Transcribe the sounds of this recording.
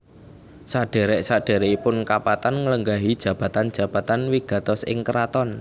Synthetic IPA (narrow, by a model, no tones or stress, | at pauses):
saɖ̥e̤ɾɛʔsaɖ̥ɛ̤ɾɛʔipʊnkapat̪anŋələŋɡaɦid̥ʒ̥a̤b̥ä̤t̪and̥d͡ʒ̥ä̤b̥a̤t̪anwiɡ̥a̤t̪ɔsʔɪ̰ŋkəɾat̪ɔn